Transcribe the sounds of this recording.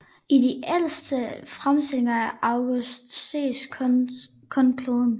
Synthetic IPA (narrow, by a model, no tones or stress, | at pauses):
idiʔel̰sd̥əfʁamsd̥ele̝ŋɐæʔɑʊɡ̥usd̥sḛsʰ | kʰɔnkʰloːðˠn̩